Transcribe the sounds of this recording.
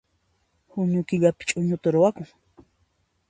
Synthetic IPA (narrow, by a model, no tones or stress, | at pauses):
hʊɲʊkɪʎapɪ̥t͡ʃʼʊɲʊt̪aɾʊwakʊŋ